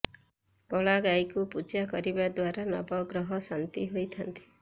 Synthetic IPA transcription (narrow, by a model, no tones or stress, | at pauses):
kɔɭaɡajkupud͡ʒakɔɾibad̪waɾanɔ̰bɔɡɾɔɦɔsant̪iɦojt̪ʰant̪i̥